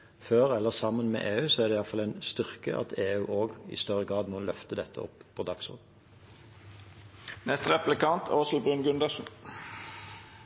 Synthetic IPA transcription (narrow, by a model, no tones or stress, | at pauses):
føːʁɛlːəʁsɑmːənmḛːʔeːʉːsɔæʁd̪ɛːjɑfɑlɛɪnst̪ʏʁkəʔɑ̰t̪ʰeːʉːʔoːɡɪ̰st̪œʁəɡʁɑːd̪moːlœft̪əd̪ɛt̪ʰːə̰ɔ̰pːpʰoːd̪ɑksɔ̰ːd̪n̩ | nɛst̪əʁɛplɪkɑnt̪ʰoːsl̩bʁʉnɡʉnd̪əsn̩